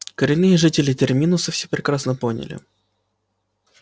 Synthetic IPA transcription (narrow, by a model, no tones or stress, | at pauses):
kəɾʲɪnːɨjəʐɨtʲɪlʲɪtʲɪrmʲinʊsɨfsʲepɾʲɪkɾasnəpo̞nʲɪ̰lʲɪ̰